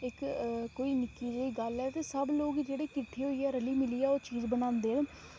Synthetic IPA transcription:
ɪkkːoːiːnɪkːiːd͡ʒeiːɡəlɛːt̪eːsəbloːɡd͡ʒeːɽeːkɪʈʰːiːɦoːiːɛːɾəliːmɪliːɛːoːt͡ʃiːzbənãːnd̪eːən

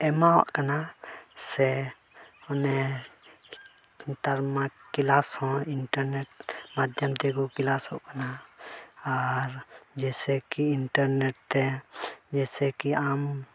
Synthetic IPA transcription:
ɛmãɦɔ̰ʔkanasɛ | ɔnɛ | t̪aɾmakilashɔ̃ɪɳʈəɾneʈmad̪ʱjəmt̪ɛɡukɪlashɔʔkana | aɾd͡ʒɛsɛkiɪɳʈəɾneʈ̚t̪ɛd͡ʒɛsɛkiam

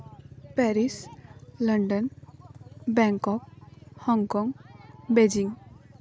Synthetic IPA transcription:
pɛɾisləɳɖən | bɛŋkɔk̚hɔŋkɔŋɡbed͡ʒiŋɡ

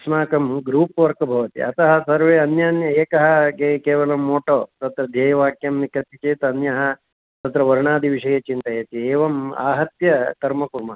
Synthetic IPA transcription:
smaːkɐmɡɾuːpɐʋɐɾkɐbʱɐʋɐt̪ḭɐt̪ɐɦɐsɐɾʋeːɐnjaːnjɐeːkɐɦɐ̆kekeːʋɐlɐmːoːʈoːt̪ɐt̪ɾɐd̪ʱjeːjɐʋaːkjɐmnikɾɐt̪it͡ʃeːt̪ɐnjɐɦɐ̆ | t̪ɐt̪ɾɐʋɐɾɳaːd̪ʱiʋiʂɐjet͡ʃint̪ɐjeːt̪ieːʋɐma̰ːɦɐt̪jɐt̪ɐɾmɐkuɾmɐ

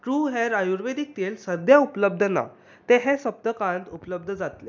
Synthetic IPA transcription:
ʈɾuːɦeɾajuɾʋed̪ik̚t̪elsəd̪jaupləb̚d̪ʱəna̰ | t̪eɦesəp̚t̪əkãnt̪upləb̚d̪ʱəd͡zat̪le

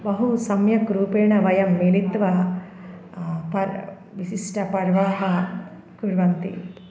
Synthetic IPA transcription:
bɐɦusɐmjɐkɾuːpeːɳɐʋɐjɐmːilit̪ʋɐ | pɐɾ | ʋisiʂʈɐpɐɾʋaːɦɐ | kuɾʋɐnt̪ḭ

